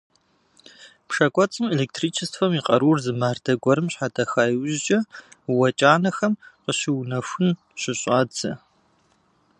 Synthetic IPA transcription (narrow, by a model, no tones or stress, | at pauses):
pʂɐkʷʼɔt͡sʼɨmeleːk̚tʰriːt͡ʃʰɪstfɐmiːqʼɐɾuːrzɨmaːrdʰɐɡʷɔɾɨmɕħadʰɐxaːjwʒt͡ʃʼɐwɐt͡ʃʼaːnɐxɐmqəɕɪwnɐxʷʊn | ɕɪɕʼaːd͡zɐ